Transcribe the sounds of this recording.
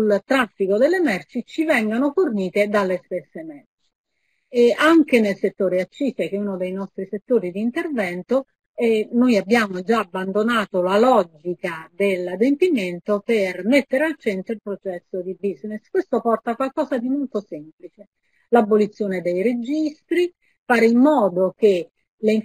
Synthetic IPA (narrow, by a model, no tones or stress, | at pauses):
sult̪ɾafːikod̪elːemɛrt͡ʃit͡ʃivɛŋɡonoforniːt̪ed̪alːest̪esːemɛrt͡ʃi | aŋkenelset̪ːoːɾeat͡ʃːiːsek̟eunod̪ejnɔst̪ɾiset̪ːoːɾid̪iːnt̪ervɛnt̪o | ɛnojabːjaːmod͡ʒaːbːand̪onaːt̪olalɔd͡ʒikad̪elad̪empiment̪opermet̪ːeɾealt͡ʃent̪oilpɾot͡ʃɛsːod̪ibizneskwest̪opɔrt̪akwalkɔːzad̪imolt̪osemplit͡ʃe | labːolit̪sːjoːned̪ejɾed͡ʒist̪ɾi | faːɾeimːɔːd̪ok̟e | le